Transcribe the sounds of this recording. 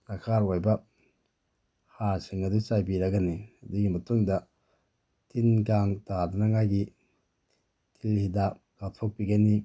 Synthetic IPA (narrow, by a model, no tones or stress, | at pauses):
lɐkʰaɾwojbɐ | haɾsiŋɐdut͡ʃajbiɾɐɡanihɐduɡimɐtuŋdɐ | tinɡaŋtadunɐŋajɡi | tʰilhidap̚ɡ̥atʰok̚piɡani